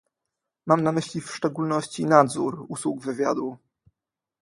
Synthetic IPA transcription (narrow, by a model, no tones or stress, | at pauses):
mamnamɘɕlʲifʂt͡ʂɛɡulnɔɕt͡ɕinad̪zuɾuswuɡvɘvʲjad̪u